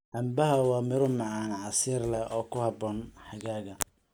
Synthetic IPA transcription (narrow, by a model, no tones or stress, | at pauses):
ʔɐmbɐɦɐwɑːmɪɾʊmɑʕɑːnʕɑsiːrlɛɔːkʰʊhɑbɔːnħɑɣaːɣɐ